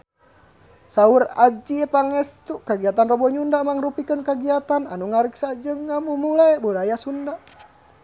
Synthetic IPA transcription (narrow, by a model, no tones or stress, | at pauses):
saurad͡ʒiɛpaŋɛst̪ukaɡiat̪anrɔbɔɲundamaŋrupikənkaɡiat̪ana̰nuŋaɾiksad͡ʒɨŋːamumulajbuɾajasunda